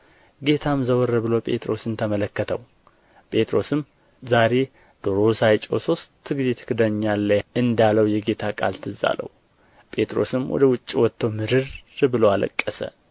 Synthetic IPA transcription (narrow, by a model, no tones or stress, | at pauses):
ɡe̞t̪ʰamzəwɔɾəβɨlo̞pʼe̞̰t̪ʼɾo̞sɨnt̪ʰəmələkːət̪ʰəw | pʼe̞t̪ʼɾo̞sɨm | zaɾe̞ | d̪̥oɾo̞sajt͡ʃʼo̞̰so̞st̪ʰːɨɡɨzet̪ʰɨ̥kʰɨd̪əɲːalːəɨnd̪aləwjɛɡe̞t̪ʰakʼa̰lt̪ʰɨza̰lə̰w | pʼe̞t̪ʼɾo̞̰sɨmwɔ̰d̪əwʊt͡ʃʼːiwɔt̪ːəwmɨɾɨɾbɨloalə̰kʼːəsə̰